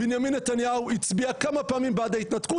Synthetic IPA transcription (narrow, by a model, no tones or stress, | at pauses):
binjaminːet̪anjauit͡sbiakamapaːmimbad̪ait̪nat̪ku